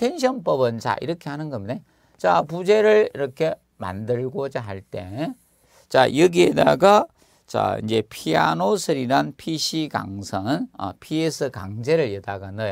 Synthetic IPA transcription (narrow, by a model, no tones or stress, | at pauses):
tʰenɕ̬ʰʌnpʌbɯnt͡ɕa̰ʔḭɾʌkʰehanɯnɡʌmne | t͡ɕapud͡ʑe̞ɾɯɭiɾʌkʰe̞ | ma̰ndɯɭɡot͡ɕaɦaɭt͈e̞ | t͡ɕa̰jʌɡieda̰ɡa | t͡ɕa̰ḭnd͡ʑe̞pʰia̰nosʰɯɾiɾanpʰiɕʰika̰ŋsʰʌnʌ̰pʰiesʰɯkaŋd͡ʑe̞ɾɯɭjʌdaɡanʌjo